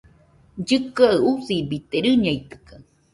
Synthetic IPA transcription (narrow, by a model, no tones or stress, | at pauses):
d͡ʒɨkɨaɯusibit̪eɾɨɲait̪ɨ̥kɯ̥